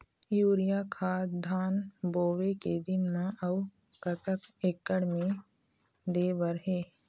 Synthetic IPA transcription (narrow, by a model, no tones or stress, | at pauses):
juːɾijaːkʰaːd̪ʱaːnboːʋeked̪ɪnmãʔɐw | kət̪əkeːkːəɽmẽ | d̪eːʋəɾɦeː